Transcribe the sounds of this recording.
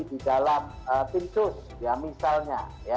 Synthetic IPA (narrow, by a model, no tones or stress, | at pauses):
didalam | ət̪int͡ʃʊs | jamisalɲa̰ | ja